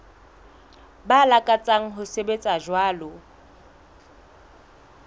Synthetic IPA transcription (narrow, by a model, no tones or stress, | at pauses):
balakʼat͡sʼaŋ̩ɦʊsebet͡sʼaʒwaːlɔ